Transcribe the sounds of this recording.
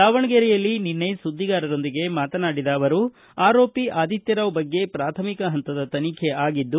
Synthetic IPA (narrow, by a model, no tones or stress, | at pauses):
aːʋɐɳɐɡeɾɛjɐlːininːesud̪ːiɡaːɾɐɾo̞nd̪iɡe̞maːt̪ɐnaːɽid̪aːʋɐɾu | aːɾo̞ːpiʔaːd̪ʱit̪jɐɾɐʋbɐɡːe̞pɾaːt̪ʰɐmikɐɦɐnt̪ɐd̪ɐt̪ɐnikʰeaːɡid̪ːu